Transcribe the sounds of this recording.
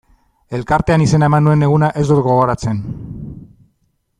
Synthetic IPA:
e̞lkaɾt̪e̞anise̞nae̞manue̞ne̞ɣ̞unaʔe̞zd̪uɾɣo̞ɣ̞o̞ɾat͡se̞n

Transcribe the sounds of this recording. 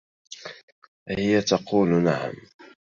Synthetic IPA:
hɪjat̪ɑquːlnaʕa̰m

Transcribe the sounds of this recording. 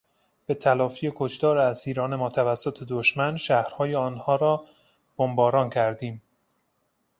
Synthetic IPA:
b̥e̞t̪ʰælɒːfije̞kʰoʃt̪ɒːɾeæsiːɾɒːne̞mɒːt̪ʰævæsːot̪ʰe̞d̪oʃmænʃæhɾhɒːjeɒːnhɒːɾɒː | b̥ombɒːɾɒːncʰæɾd̪iːm

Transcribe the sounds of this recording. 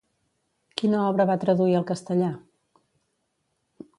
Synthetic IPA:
kinəɔβɾəβat̪ɾəðuiəlˠkəst̪əʎa

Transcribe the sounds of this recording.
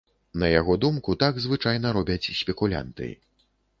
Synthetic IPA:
nɐjaɣɔd̪umkut̪aɡzvɨt͡ʂajnɐɾɔbʲɐt͡sʲsʲpʲɛkulʲa̰nt̪ɨ̰

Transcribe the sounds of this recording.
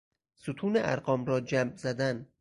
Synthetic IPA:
sut̪ʰuːneʔæ̰ɾɢɒːmɾɒːd͡ʒæmzæd̪æn

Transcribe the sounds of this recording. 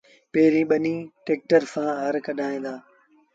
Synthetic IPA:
peːɾĩːɓɐnĩːʈeːk̚ʈəɾsãːɦɐɾkɐɗʱaːĩːnd̪aː

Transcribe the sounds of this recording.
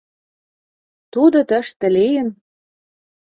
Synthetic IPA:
t̪ud̪ɤ̆t̪ə̆ʃt̪ə̆lejə̆n

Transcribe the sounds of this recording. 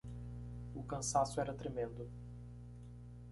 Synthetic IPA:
ʊkɐ̃sasʊɛɾɐt̪ɾemẽnd̪ʊ

